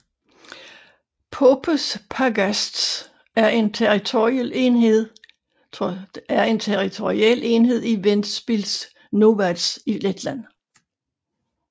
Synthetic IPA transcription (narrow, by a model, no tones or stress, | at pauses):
pʰopʰəspʰɑɡ̥æsd̥s | æɐe̝nt͡sʰeʁit͡sʰoiɛlenheð̰ˠ | æɐe̝nt͡sʰeʁit͡sʰo̝ʁiɛ̰l̰e̝nɦe̝ð̞̰ˠiʋenb̥ils | no̝ʋæd̥siled̥læn̰